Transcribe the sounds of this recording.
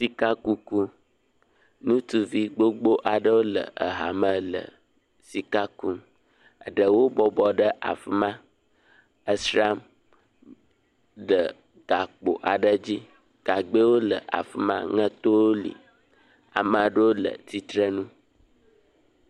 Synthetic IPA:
si˦ka˦ku˦ku˦ | nũ˦t̪u˦vi˦ɡ͡bo˦ɡ͡bo˦ʔa˨ɖə˦wo˦lə̰˨ʔə˨ɦa̰˨mə̃˦lə̰˨ | si˨ka˦ku˦ | ə̰˨ɖə˨wo˦bɔ˦bɔ˨ɖə˦ʔa̰˨fi˨mã˦ | ə˨sɾa˦m | ɖə˨ | ɡ̥a˨k͡po̰˨ʔa˨ɖə˦d͡ʑi˦ | ɡ̥a˨ɡ͡bə˦wo˦lə̰˨ʔa̰˨fi˨mã̰˦ŋə̃˦t̪o˦wo˦lḭ˨ | a̰˨mə̃˨ɖə˦wo˦lə̰˨t̪i˦t̪ɾə˦nũ˦

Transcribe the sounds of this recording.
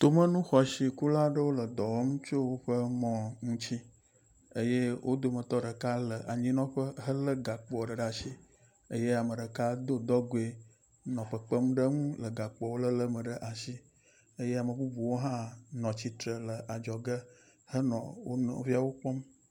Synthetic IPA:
t̪o˨mə̃˦nũ˦xɔ˨si˨ku˦la˦ɖə˦wo˦lə˨d̪ɔ˨wɔ˦ŋũ˦t͡ʃo˦wo˦ɸə˦mɔ̃˨ŋũ˦t͡ɕi˦ | ə˦je˦wʔo˦d̪o˨mə˨t̪ɔ˦ɖə˨ka˦lə˨ʔa˨ɲĩ˦nɔ̃˦ɸə˦ɦə˦lə˦ɡa˨k͡pɔ˨ɖə˨ɖa˦si˦ | ə˦je˦a˨mə˨ɖə˨ka˦d̪o˦d̪ɔ˦ɡo˨e˨ | nɔ̃˨ɸə˨k͡pə˦m˦ɖə˦ŋũ˦lə˨ɡa˨k͡pɔ˨wo˦lə˦lə˦mə̃˨ɖə˦ʔa˨si˦ | ə˦je˦a˨mə˨bu˦bu˨wo˦ɦã˦nɔ̃˨t͡ɕi˨t̪ɾə˨lə˨ʔa˨d͡ʒɔ˨ɡə˦ | hə˦nɔ̰̃˨wo˦nɔ̰̃˨vi˦a˨wo˦k͡pɔ˦m

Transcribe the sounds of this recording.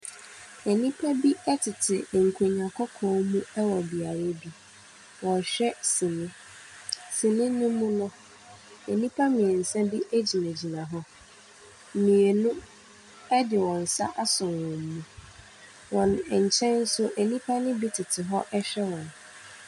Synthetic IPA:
e˨nĩ˦pʰa˦bi˦ɛ˦tʰɪ˨tʰɪ˨ŋ̩˨kʰu˨ɲã˨kʰɔ˦kʰɔ̃ː˦˨˦mũ˦ɛ˦wɔ˨bi˨a˨ɾɛ˦bi˦ | wɔ̃˨ɕᶣɛ˦sĩ˨nɪ̃˦ | sĩ˨nɪ̃˦nʊ̃˦mũ˦nʊ̃˦ | e˨nĩ˦pʰa˦mĩ˨e˨n̩˨sɛ̃˦bi˦ʔe˦d͡ʑi˨næ̃˨d͡ʑi˨nã˨ɦɔ˦ | m̩˨mĩ˨e˨nʊ̃˦ | ɛ˦dɪ˨wɔ̃˨n̩˨sa̰˦ʔa˦sʊ̃˨nwɔ̃˨m̩˦mũ˦ | wɔ̃˨nɛ˨ɲ̩˨t͡ɕʰɛ̃˦nn̩˦sʊ˦ʔe˨nĩ˦pʰa˦nɪ̃˦bi˦tʰɪ˨tʰɪ˨ɦɔ˦ʔɛ˦ɕᶣɛ˦wɔ̃˨n

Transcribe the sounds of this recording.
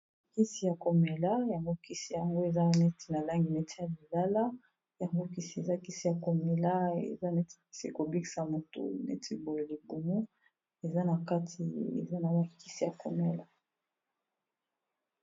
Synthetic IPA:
ki˦si˨ja˨ko˨me˨la˦ja˨ŋɡo˦ki˦si˨ja˨ŋɡo˦e˨za˦nɛ˦tʰi̥˨na˨la˦ŋɡi˨nɛ˦tʰi˨ja˨bi˨la˦la˦ | ja˨ŋɡo˦ki˦si˨e˨za˦ki˦si˨ja˨ko˨me˨la˦ḛ˨za˦nɛ˦ti̥˨ki̥˦si˦ko˨bi˦ki̥˨sa˨mo˨to̰˨nɛ̰˦tʰi˦bo˨jo˨li˨bu˨mu˦ | e˨za˦na˨ka˦tʰi˨ḛ˨za˦na˨ba˨ki˦si˨ja˨ko˨me˨la˦

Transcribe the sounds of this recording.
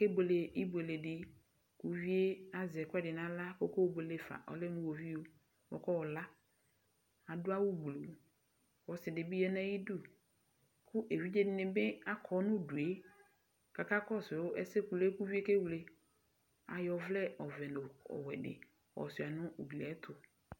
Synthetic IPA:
ke˦be˨le˨i˦be˨le˨dɪ˨ | ku˦vi˦e˦a˨zɛ˨kɛ˦dɪ˨nã˨la˦ko˦ko˦˨be˨le˦˨fa̰˨ʔɔ̰˨lɪ˦nʊ̃˦wo˨vi˦o˦ | wɔ̰˦kɔ˦wɔ˨la˦ | a˨dʊ˦a˦wʊ˦blo˨ | wɔ˨sɪ˨dɪ˨bi˦jɛ˦nã˦ji˦du˦ | kʊ˦ʔe˨vi˦d͡ʒe˦dɪ˦nɪ̃˨bɛ˦a˦kʰɔ˨nʊ̃˦du˨e˦ | ka˨ka˦kɔ˦˨sɛ˨wo˦ʔɛ˦se˦ku˨le˦ku˦vi˦e˦ke˦wle˦ | a̰˨jɔ˨vlɛ˦ɔ˨vɛ˨no˨ɔ̰˨wɛ̰˨dɪ̰˨ | wɔ̰˨sɪ˨a˨nʊ̃˦u˨ɡli˨ɛ˨˦t̪ʰʊ˨

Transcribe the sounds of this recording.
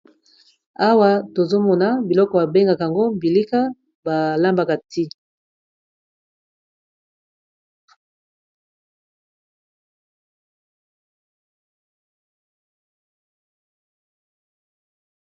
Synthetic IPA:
a˦wa˦to˨zo˦mɔ˨na˦bi˨lɔ˦kɔ˨ba˨be˦ŋɡa˨ka˨a˨ŋɡo˦mbi˨li˦ka˦ | ba˨la˦mba˨ka˨tʰi˦

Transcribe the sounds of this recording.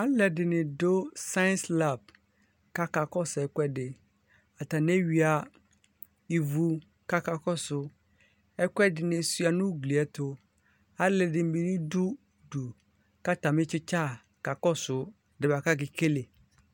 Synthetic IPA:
a˦lɛ˨dɪ˨nɪ̃˨do˦sã˦sla˦˨b̚ | ka˦ka˨kɔ˦sɛ˨kʷɛ˦dɪ˨ | a˨t̪a˨ne˦ɥi˨a˨ | i˨vu˨ | ka˦ka˨kɔ˦sʊ˨ | ɛ˦kʷɛ˦dɪ˨nɪ̃˨su˦a˨nʊ̃˦ɡli˨ɛ˦tʊ˦ | a˦lɛ˨dɪ˨m˦bi˦nʊ̃˦du˦ | du˨ | ka˦ta˨mɪ̃˦t͡ʃɪ˦t͡ʃa˦ | ka˨kɔ˦sʊ˨ | dɪ˨ba˨ka˦ɡɪ˨ke˦le˨

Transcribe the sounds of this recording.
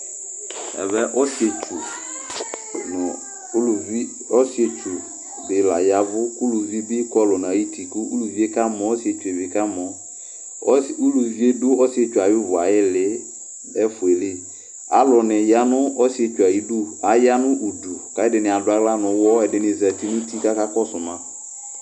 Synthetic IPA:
ɛ̰˨βɛ˦ʔɔ˦si˨e˨t͡ʃu˨ | nʊ˨˦˨ | i˦ | ɔ˦si˦e˦t͡ʃu˨ | bɪ˨la̰˨ja˨˦vʊ˦ku˦lu˨vi˦bi˦kɔ˦lɔ˨nã˨ji˦ti˨kʊ˦u˦lu˨vi˦e˦ka˦mɔ̃˨ɔ˦si˦e˨t͡ʃu˨e˨vɪ˨ka˦mɔ˨˦ | u˦lu˨vi˦e˦dʊ˦ɔ˦si˦e˦t͡ʃu˨a˨jɪ˦vʊ˨a˨ɪ˦lɪ˦ | ɛ˦fʊ˨e˨lɪ˦ | a˨lɔ˨nɪ̃˨ja˦nʊ̃˦ɔ˦sɪ˦e˨t͡ʃu˨a˨ji˦du˦a˨ja˦nʊ̃˦ʔu˨du˨ka˦ɪ˦dɪ˨nɪ̃˨a˨dʊ˦a˦ɡla˦nʊ̃˨˦wɔ˦ɛ˨dɪ˨nɪ̃˨zɛ˨ti˦nʊ̃˦ti˦ka˦ka˦kɔ˦sʊ˨mã˨˦

